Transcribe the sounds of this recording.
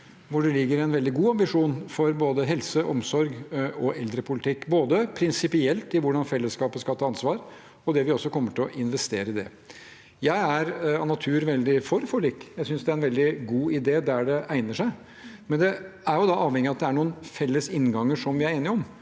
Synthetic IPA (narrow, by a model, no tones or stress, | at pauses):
ʋʊɖɛlɪɡːəɾɪɛɪnʋɛld̪ɪɡuːɑmbɪʂuːnfɔɾboːd̪əɦɛlsəʔɔmsɔɾɡɔʔɛld̪ɾəpʰʊlɪt̪ʰɪkːboːd̪əpʰɾɪnsɪpɪɛlt̪ɪʋʊɖɑnfɛlːəskɑːpəskɑlt̪ʰːɑːɑnsʋɑːɾ | ɔd̪ɛʋɪɔsːɔkʰɔmːəʈʰɪɔʔɪnʋɛst̪eːɾəɪd̪ɛ̰ | jæɪæɾɑnɑt̪ʰʉːɾʋɛld̪ɪfɔɾfɔɭikːjæɪsʏnsd̪ɛæɾɛnʋɛld̪ɪɡuːɪd̪eːd̪æɖɛʔæɪnəʂæɪ | mɛnd̪ɛæɾjʊd̪ɑʔɑːʋhɛŋɪɑt̪d̪ɛæɳuːənfɛlːəsɪnːɡɑŋːəʂɔmʋɪæɾeːnɪɔm